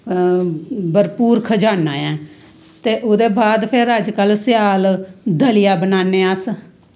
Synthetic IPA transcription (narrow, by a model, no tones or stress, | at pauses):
bəɾpuːɾkʰəd͡ʒaːnaːɛ̃ː | t̪eːʔoːd̪eːbaːd̪pʰeɾəd͡ʒkəlsɪjaːld̪əlɪjaːbənaːneːəs